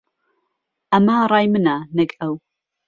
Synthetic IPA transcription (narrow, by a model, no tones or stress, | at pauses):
ʔamaːrˤɑːjmɨnaːnɐkʼɐw